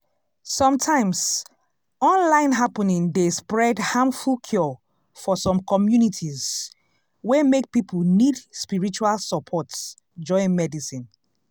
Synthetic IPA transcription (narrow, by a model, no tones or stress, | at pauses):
sɔ̃mtʰãɪ̃ms | ɔ̃nlãɪ̃nɦapənĩŋdespɹɛdhãmfulkʰjɔ | fɔsɔ̃mkʰɔmjunitʰiz | wemek̚pipʰulnidspiɹit͡ʃualsəpʰɔts | d͡ʒɔ̃ɪ̃nmɛdisĩn